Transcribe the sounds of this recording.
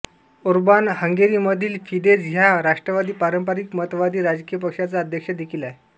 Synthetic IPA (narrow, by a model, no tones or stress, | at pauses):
uɾbanhəŋɡeɾiːməd̪ʱiːlfiɖed͡zɦjaɾaʂʈɾəʋad̪iːpaɾəmpaɾikmət̪ʋad̪iːɾad͡zkijəpəkʂat͡saəd̪ʱjəkʂəd̪ekʰilae